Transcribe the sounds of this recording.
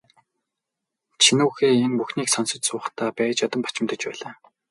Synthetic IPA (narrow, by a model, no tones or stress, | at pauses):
t͡ɕʰinuːxeːenpuxniːksɔnsɞ̆t͡ɕsʊːχt̪ʰaːpæːt͡ɕjɔt̪ɞ̆mpḁt͡ɕɪ̆mt̪ə̆t͡ɕpæːɮaː